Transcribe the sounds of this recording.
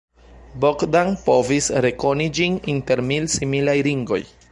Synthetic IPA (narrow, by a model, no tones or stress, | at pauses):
bokdaŋpo̞visɾe̞ko̞nid͡ʒininte̞ɾmilsimilajɾiŋɡo̞̰j